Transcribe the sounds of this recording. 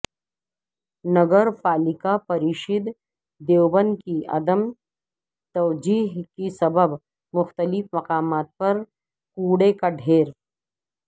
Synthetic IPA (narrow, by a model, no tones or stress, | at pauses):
nɐɡəɾpaːlɪkapɐɾiːʃɪd̪ | d̪eːwbənkiɐ̰d̪əm | t̪ɐʋd͡ʒiːɦkisɐbəb | mʊxt̪əlɪfmɐqaːmaːt̪̚pɐɾ | kuːɽekaɖʱeːɾ